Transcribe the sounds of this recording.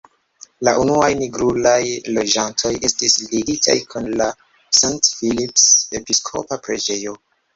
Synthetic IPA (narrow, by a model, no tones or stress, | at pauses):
laʔunuajniɡɾulajlo̞d͡ʒantʰo̞je̞stisliɡitʰa̰jkʰunla | santfilipse̞piskʰo̞̰papɾe̞d͡ʒe̞jo